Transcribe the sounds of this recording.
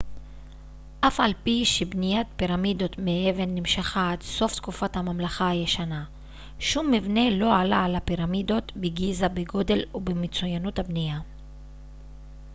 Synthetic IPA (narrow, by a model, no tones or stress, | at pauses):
ʔafalpiʃebnijat̚piʁamid̪o̞t̪meʔeve̞nːimʃaχaadso̞ft̪kufathamamlaχaajeʃana | ʃumːivne̞lo̞alaalapiʁamido̞t̪beɡizabeɡo̞de̞lubemet͡sujanut̪habnija